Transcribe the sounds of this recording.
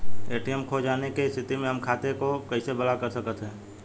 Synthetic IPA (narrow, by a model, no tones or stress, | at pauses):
eːʈijəmkʰod͡ʒaːnekeɪst̪ʰɪt̪imẽɦɐmkʰaːt̪ekokɐɪsebɐlakəɾsəkət̪ɦɛ̃ː